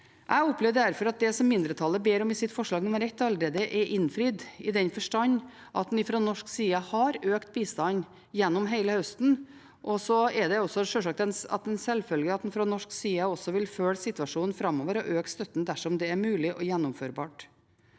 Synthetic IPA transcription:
ʔæɪɔpleːʋəɖ̪æɾfɔɾɑt̪̚d̪ɛsɔmmɪnd̪ɾət̪ʰɑlːəbeːɾɔmɪsɪt̪ːfɔʂɭɑːɡnuːməɾɛt̪ːɑləɾeːd̪əʔɛɾʔɪnfɾyːd̪ɪd̪ɛnfɔʂʈɑɲː | ʔɑt̪̚d̪n̩ɪfɾoːnɔʂksiːəhɑɾøːkt̪̚biːst̪ɑn | jɛnːɔmɦeɪləhœst̪n̩ | ʔɔsɔɛd̪ɛɔsːɔʂølʂɑk̚t̪ɛnɑ̰t̪̚d̪ɛnsɛlfœlɡəɑt̪d̪nfɾonɔʂksiːəɔsɔʋɪlføːɽsɪt̪ʉɑʂuːnfɾɑmːoːʋəɾɔʔøːkst̪œt̪ːn̩d̪æʂɔmd̪ɛæɾmʉːlɪʔɔjɛnːʊmføːɾbɑ̰ːʈ

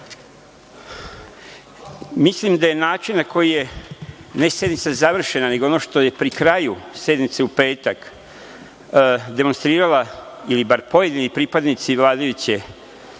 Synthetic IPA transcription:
mislimd̪aje̞naːt͡ʃinnako̞jije̞ | ne̞sje̞d̪nit̪sazaʋr̩ʃe̞nane̞ɡoonoʃt̪o̞je̞pɾikɾajusje̞d̪nit̪seupe̞ːt̪ak | d̪e̞monst̪ɾiːɾalailibaɾpo̞je̞d̪inipɾiːpad̪nit̪siʋlˠaːd̪ajut͡ɕe

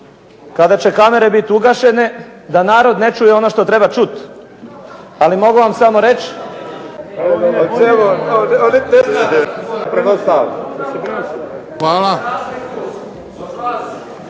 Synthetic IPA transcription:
kad̪at͡ɕe̞kame̞ɾe̞bit̪uɡaʃe̞ne̞ | d̪anaːɾo̞d̪net͡ʃujeo̞noʃt̪o̞t̪ɾebat͡ʃut̪ | alimo̞ɡuʋamsamo̞ɾet͡ʃ | eoonines | pɾkost̪al | xʋaːla

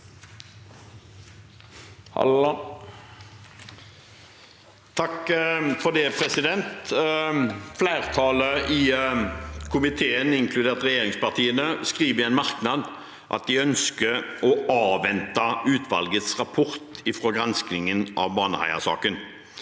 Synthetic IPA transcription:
t̪ʰɑkfɔʁd̪ɛːpʰʁɛsɪd̪ɛnt̪ | flæɪʁt̪ʰɑːləʔɪ | kʰʊmɪt̪ʰeːənɪŋkʰlʉd̪eːʁt̪ʁɛjeːʁɪŋspɑʁt̪ʰiːənəskʁiːʋəɛnmɑʁknɑd̪ | ʔɑ̰t̪̚d̪ɪœnskəɔɑːʋɛnt̪ɑʉːt̪ʋɑ̰lɡət̪sʁɑpʰɔʁt̪ɪfʁɔɡʁɑnsknɪŋənʔɑ̰ʋbɑːnəhæ̰ɪə̰sɑ̰ːkən

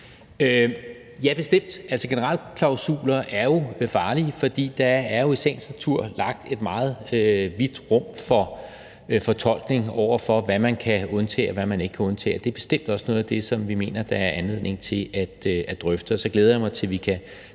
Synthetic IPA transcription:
ø | jæɐb̥e̝sd̥em̰d̥ʔælsɒɡ̥e̝nəʁɑ̈l̰kʰlɑ̈ʊsṵːlɐʔæɐjo̝fɑ̈ːliəfɒ̽d̥ḭːd̥ɑ̈æɐjo̝isen̰sæt͡sʰuɐ̰lɑ̈ɡ̥̚d̥e̝d̥mɑ̈ːð̞̩ˠøʋid̥ʁɔ̽m̰fɒ̽ | fɒ̽t͡sʰɒ̽l̰ɡ̥ne̝ŋɒʊ̰ɐfɒ̽ʋæmænkʰæɔ̽nt͡sʰɛ̰ːɒʋæmæne̝ɡ̥kʰæɔ̽nt͡sʰɛ̰ːɒd̥e̝b̥e̝sd̥em̰d̥ɒ̽sno̽ːðˠæd̥e̝sɒ̽mʋime̝̰ːnɐd̥ɑ̈æɐʔænle̝ð̰ˠne̝ŋt͡sʰe̝læd̥æd̥ʁœfd̥əɒsɒ̽ɡ̥leːð̞ˠɐjamɑ̈ɪt͡sʰe̝lʋikʰæ

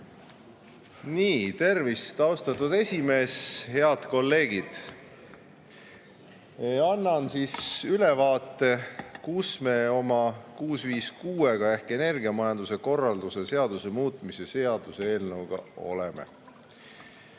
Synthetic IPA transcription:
niːt̪e̞rvist̪ɑwst̪ɑt̪ːˑud̪e̞sʲime̞ːshe̞ɑd̪̥ko̞lːe̞ːɡ̥id̪̥ | ɑnːɑnsisylevɑːt̪ːe̞kusme̞o̞mɑkuːsviːskuːe̞ɡɑehke̞ne̞rɡiɑmɑjɑnd̪use̞ko̞rːɑld̪use̞se̞ɑd̪̥use̞muːt̪ˑmisese̞ɑd̪̥useeːlnəwɡ̥ɑ̰o̞̰lemḛ

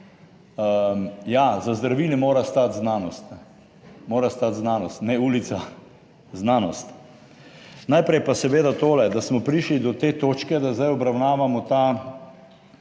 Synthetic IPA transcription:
əmjazazd̪ɾaʋiːlimoːɾast̪at̪znaːnɔst̪ | moːɾast̪at̪znaːnɔst̪nɛuːlit̪sa | znaːnɔst̪ | najpɾɛjpasɛʋeːd̪at̪oːlɛd̪asmɔpɾiʃlid̪ɔt̪eːt̪oːt͡ʃkɛd̪azd̪ajɔbɾawnaːʋamɔt̪a

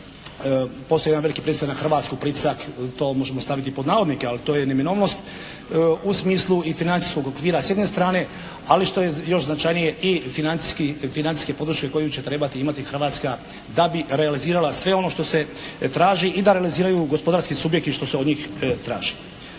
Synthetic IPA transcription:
posojed̪anʋelikipɾit̪esaknaxr̩ʋaːt̪skupɾit̪ʲe̥sakt̪o̞ːmo̞ʒemost̪aʋit̪ipo̞d̪naːʋo̞d̪nikealit̪ojenemino̞ːʋno̞st̪ | usmiːslˠuifinani̥sko̞ɡo̞kʋiːɾasje̞d̪ne̞st̪ɾaːne̞ | aliʃt̪o̞jejo̞ʃznat͡ʃajnije̞ʔifinant̪i̥skifinant̪i̥ske̞po̞d̪ɾuʃke̞ko̞jut͡ɕe̞t̪ɾe̞bat̪iimat̪ixr̩ʋaːt̪ska | d̪abiɾealiziːɾalasʋe̞o̞no̞ʃt̪o̞se̞t̪ɾaːʒiʔid̪aɾealiziːɾajuɡospo̞d̪aɾskisubjek̚t̪iʃt̪o̞seo̞d̪ɲiːxt̪ɾa̰ːʒ̥i̥

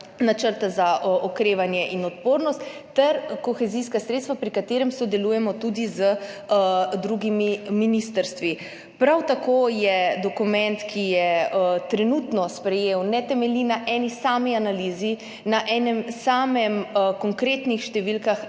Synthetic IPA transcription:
nat͡ʃəɾt̪azaʔɔkɾeːʋanjɛʔinɔt̪poːɾnɔst̪ːɛɾkɔxɛziskasɾet̪st̪ʋapɾikat̪eːɾɛmsɔd̪ɛlujɛmɔt̪ud̪izə | d̪ɾuɡimiminist̪əɾst̪ʋi | pɾawt̪akojɛd̪ɔkumɛ̃nt̪kʰijɛt̪ɾɛnut̪nɔspɾɛjeːwnɛt̪ɛmɛlinaʔɛnisaːmianaliːzi | naʔɛːnɛmsaːmɛmkɔŋkɾeːt̪nixʃt̪ɛʋilkax

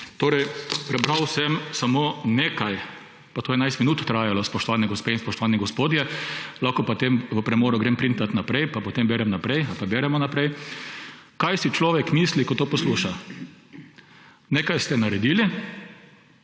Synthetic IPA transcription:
t̪oːɾɛjpɾɛbɾawsɛmsamoːneːkaj | pat̪oːjɛnajst̪minuːt̪t̪ɾaːjalɔspɔʃt̪ɔʋaːnɛɡɔspeːinspɔʃt̪ɔʋaniɡɔspoːd̪jɛlakɔpɔt̪emʋəpɾɛmoːɾʊɡɾeːmpɾint̪at̪napɾɛjpapɔt̪embeːɾɛmnapɾɛjalpabeːɾɛmɔnapɾɛj | kajsit͡ʃlɔːʋɛkmiːslikɔt̪oːpɔsluːʃa | neːkajst̪ɛnaɾɛd̪iːli

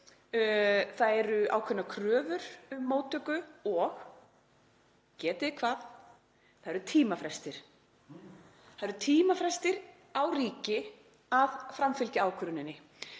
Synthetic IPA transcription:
θaðɛɾʏa̰ːwkʰœnːakʰɾœːvʏɾ̥mːoːwt̪ʰœkʏɔx | cɛːt̪ɪɪkʰvaːð | θaðɛɾʏt̪ʰiːmafɾɛst̪ɪɾ̥ | θaðɛɾt̪ʰiːmafɾɛst̪ɪɾ | awriːcɪ | aðfɾamfʏlcɪaːwkʰɾʏnɪnːɪ

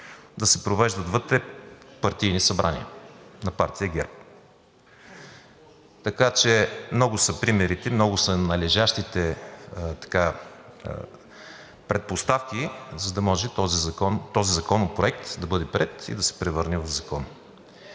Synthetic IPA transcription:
d̪ɐsɛpɾovɛʒd̪ɐd̪vɤt̪ɾɛpɐɾt̪ijnisɐbɾʔanḭənɐpaɾt̪ijəɡɛɾp̚ | t̪ɐkat͡ʃɛmnɔɡʊsɐpɾimɛɾit̪ɛmnɔɡʊsɐnɐlɛʒaʃt̪it̪ɛt̪ɐ̥ka̰ | pɾɛt̪̚post̪afkizɐd̪ɐmɔʒɛt̪ɔzizɐkɔnt̪ɔzizɐkɔnopɾoɛk̚t̪d̪ɐbɤd̪ɛpɾɛt̪ḭd̪ɐsɛ̥pɾɛvɤɾnɛvɐvzɐkɔn

